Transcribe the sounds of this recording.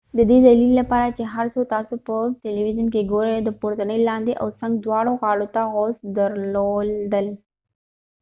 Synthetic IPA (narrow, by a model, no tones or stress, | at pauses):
d̪əd̪id͡zəliːlːəpaɾat͡ɕeɦaɾsot̪asupəʈeliʋid͡ʑənkeɡoɾd̪əpuɾt̪ənelːãnd̪iʔə̰wsãŋɡd̪ʋaɽokaɭut̪aɦɔsd̪əɾlold̪əl